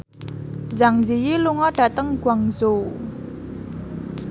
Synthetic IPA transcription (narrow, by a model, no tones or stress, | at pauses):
zaŋzijiluŋɔɖ̥a̤t̪əŋɡ̥waŋzo